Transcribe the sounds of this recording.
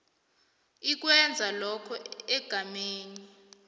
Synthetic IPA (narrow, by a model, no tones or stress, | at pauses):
ik̬wɛnd͡zʱalɔkʰɔɛɡ̥ʱameːni